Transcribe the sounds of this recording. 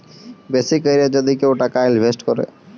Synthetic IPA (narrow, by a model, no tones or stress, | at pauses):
beːsikːəiɾed͡ʒəd̪ikeuʈakaɪlʋʱesʈkɔɾḛː